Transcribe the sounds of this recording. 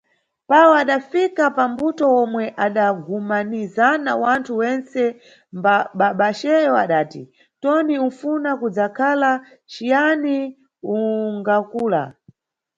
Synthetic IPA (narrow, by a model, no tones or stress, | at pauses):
pawɔaɗafikapambutɔɔmwɛʔaɗaɡumanizanawantʰuwɛnt͡sɛ | mbaɓaɓaʃɛjɔaɗaːti | tɔniunfunakud͡zakʰala | t͡ʃijani | uŋɡakuːla̰